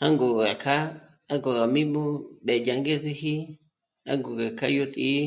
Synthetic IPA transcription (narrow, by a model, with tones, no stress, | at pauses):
ha˦ŋɡo˨ɣa˨kʰa˦ | a˦ŋɡo˨ɣa˨mĩ˦mũ˦ɓe˨ja˨ŋɡe˦zi˧hi˦ | a̰˦ŋɡo˨ɣa˨kʰa̰˦jo˧t̪ʼi˦